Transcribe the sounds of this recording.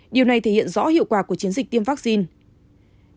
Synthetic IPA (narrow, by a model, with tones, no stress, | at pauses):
ɗi˨˩wna˨˩jt̪ʰe˧˩hḭ˧˨ənzɔ̰˧˥hḭ˧˨əwkwaː˧˩ku˧˩ət͡ɕi˨˦ənzi˨˩k̚t̪i˧əmvaː˦˥k̚si˧n